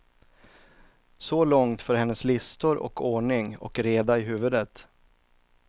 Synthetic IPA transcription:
sɔlɔŋt̪fœːɾhɛnːəslɪst̪ʊɾʔɔ̰kʰoːɳɪŋɔ̰kɾeːd̪aɪɦʉ̟ːvɵd̪ət̪

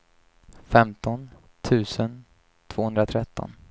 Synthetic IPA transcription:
fɛmt̪ɔn | t̪ʰʉ̟ːsən | t̪ʰv̥oːɵnd̪ɾat̪ʰɾɛt̪ːɔ̰n

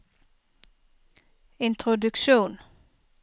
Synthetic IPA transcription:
ɪnt̪ʰʁʊd̪ʉkʃuːn

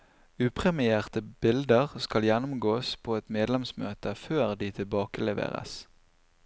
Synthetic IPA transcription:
ʉːpʰʁɛmɪeːʁt̪əbɪld̪əʁskɑljɛnʊmɡoːspʰoːɛt̪meːd̪lɛmsmøːt̪əføːʁd̪iːt̪ʰɪlbɑːkəlɛʋḛːʁə̰s

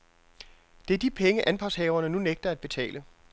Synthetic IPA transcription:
d̥e̝æɐd̥ipʰeŋəʔænpʰɑ̥̈shɛːʊɐnənuneɡ̥̚d̥ɐæd̚b̥e̝t͡sʰɛ̰ːlʔə

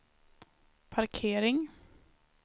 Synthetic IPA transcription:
pʰaɾkʰeːɾɪŋ

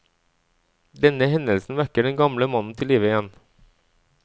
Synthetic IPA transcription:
d̪ɛnəɦɛnəlsn̩ʋæɾkəɖɛnɡɑmləmɑnn̩t̪ʰɪliːʋəɪjɛn

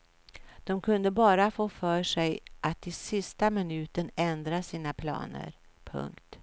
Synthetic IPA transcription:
d̪̥ɔmkʰɵnd̪əbɑːɾafoːfœːʂɛjʔat̪ːɪsɪst̪amɪnʉ̟ːt̪ənɛnd̪ɾasiːnapʰlɑ̰ːnə̰ɾ | pʰɵ̰ŋkt̪

